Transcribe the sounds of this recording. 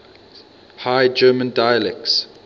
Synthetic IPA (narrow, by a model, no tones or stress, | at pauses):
haɪd͡ʒɜːmə̃ndaɪjəlɛk̚ts